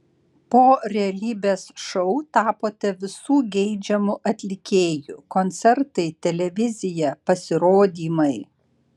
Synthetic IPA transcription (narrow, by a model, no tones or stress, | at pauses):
poːɾʲɛɐlʲiːbʲeːsʃɔʊt̪ɑːpoːt̪ʲɛʋʲɪsuːɡʲɛɪd͡ʒʲɛmʊʔɐt̪ʲlʲɪkʲeːjukɔnʲt̪sʲɛɾt̪ɐɪt̪ʲɛlʲɛʋʲɪzʲɪjɛpɐsʲɪɾoːd̪ʲiːmɐɪ